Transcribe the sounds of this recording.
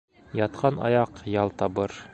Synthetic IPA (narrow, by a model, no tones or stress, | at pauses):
jɒt̪̚qʰɑnɒ̰jɑqjɑlˠt̪ɒbɤɾ